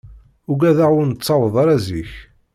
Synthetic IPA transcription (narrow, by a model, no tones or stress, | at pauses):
ʊɡæðaʁʊɾnət͡sːɑwəðˤɑɾˤæziç